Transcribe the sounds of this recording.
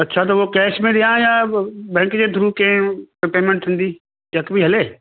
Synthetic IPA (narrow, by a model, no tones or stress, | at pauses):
ɐtːʃʰat̪̬ɐokɛːʃmẽɗ̪ijãjabɛ̃ːkd͡ʑeːd̪ʱʊɾukẽpeːmẽɳʈ̚t̪ʰĩːn̆d̪iː | t͡ɕɐkbʱiɦɐleː